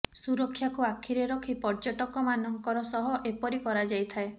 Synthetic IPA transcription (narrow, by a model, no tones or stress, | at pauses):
suɾɔkʰːjakuakʰiɾeɾɔkʰipɔɾd͡ʒɔʈɔkɔmanɔŋkɔɾɔsɔɦɔʔepɔɾikɔɾad͡ʒajt̪ʰae